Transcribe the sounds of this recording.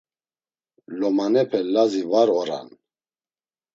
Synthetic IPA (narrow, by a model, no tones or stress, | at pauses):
lɔmanɛpʰɛlazivaɾɔɾa̰n